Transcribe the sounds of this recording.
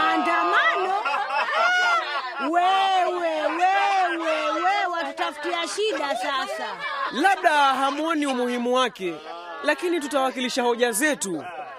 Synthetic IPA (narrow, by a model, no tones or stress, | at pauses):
andamanɔ | wɛwɛwɛwɛwɛwatutafu̥tiaʃiɗasasalaɓ̚ɗaɦamuɔniumuhimuwakɛ | lakinitutawakiliʃahɔʄazɛtu